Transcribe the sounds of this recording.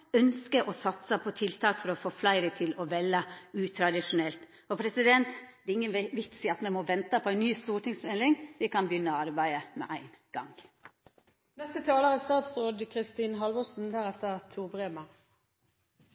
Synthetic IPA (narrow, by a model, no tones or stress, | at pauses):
œnskəɾʔɔsɑt̪səpʰɔt̪ʰɪlt̪ʰɑːkfɔɾɔfoːflæɪɾət̪ʰɪlɔʋɛlːəʉːt̪ʰɾɑd̪ɪʂʊnɛlt̪ | ɔpʰɾɛsɪd̪ɛnt̪d̪ɛɪŋːənʋɪt̪sɪɑt̪mɛmɔʋɛnt̪əpʰɔæɪnnyːst̪uːʈɪŋsmɛlɪŋʋɪkɑnbjʏnːəɑɾbæɪəmɛ̰ʔæɪnɡ̥ɑŋ | nɛst̪ət̪ʰɑːləʁəst̪ɑːt̪sʁoːd̪kʰʁɪst̪iːnɦɑlʋɔsn̩d̪æːʁɛt̪əʁt̪ʰuːbʁeːmɑ